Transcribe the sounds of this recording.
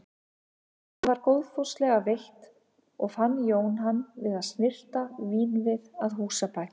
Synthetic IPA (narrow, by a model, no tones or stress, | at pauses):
hanvaɾkoːwðfowst̪lɛɣavejht̪ | ɔɣfanːjoːwnɦanːvɪðaðsnɪr̥t̪aviːnvɪðaðɦuːsapaːcɪ̥